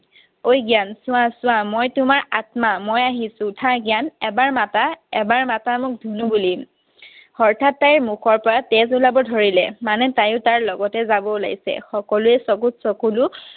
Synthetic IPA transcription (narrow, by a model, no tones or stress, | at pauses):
ojɡijansʊ̃w̃asʊw̃amojtʊmaɹatmamojaɦisʊ̃tʰãɡijanɛbaɹmataɛbaɹmatamʊk̚dʱunubuli | hɔɹtʰatːajɹmukʰɔɹpɔɹatez̬ulabɔdʱɔɹilɛmanɛtajʊ̃taɹlɔɡɔtɛzabɔla̰ɡisɛ̰xɔkɔluɛsɔkutsɔkulʊ